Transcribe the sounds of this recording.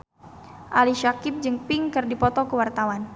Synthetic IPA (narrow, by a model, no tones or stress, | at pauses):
ʔaliʃakɪp̚d͡ʒɨŋpɪŋkɨrdipɔt̪ɔkəwart̪awan